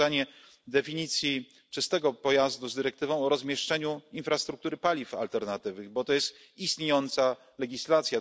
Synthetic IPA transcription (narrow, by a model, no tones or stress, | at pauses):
aɲɛ | d̪ɛfʲiɲit̪sʲji | t͡ʂɘst̪ɛɡɔpɔjazd̪uzd̪ɘɾɛk̚t̪ɘvɔ̃w̃ɔɾɔzmʲjɛʂt͡ʂɛɲuinfɾast̪ɾuk̚t̪uɾɘpalʲifa̰lt̪ɛɾnat̪ɘvɘɣbɔt̪ɔjɛst̪ | ist̪ɲejɔnt̪sa | lɛɡʲislat̪sʲja